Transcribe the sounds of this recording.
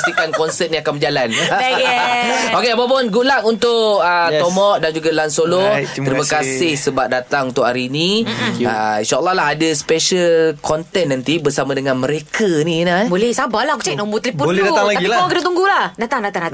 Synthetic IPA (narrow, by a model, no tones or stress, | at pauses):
sikankɔnsət̪̚nĩakanməd͡ʒalan | okeapap̬ʊnɡulaŋunt̪ʊʔət̪ɔmɔʔ̚dand͡ʒuɡalansolok̪əɾimakasɪhsəbap̚dat̪aŋunt̪ʊkhaɾiniainʃaəlˠːɔhlaɦadəspɛʃəlkʰɔnt̪ɛnːant̪ibərsamãdəŋãnməɾekaninabolɛhsabalahkut͡ʃanɔmbut̪əliuolɛdalaɡ̪apiawakədat̪uŋɡulahdat̪aŋdat̪aŋda